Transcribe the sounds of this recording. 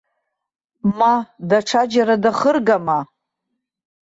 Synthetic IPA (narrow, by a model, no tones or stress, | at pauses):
madaʈ͡ʂʰad͡ʒaɾadaχərɡama